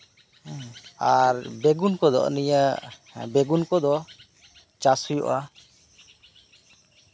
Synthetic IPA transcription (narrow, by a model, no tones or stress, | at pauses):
aɾbeɡunkɔd̪ɔ̰ʔnijabeɡunkɔd̪ɔ | t͡ʃasujɔ̰ʔa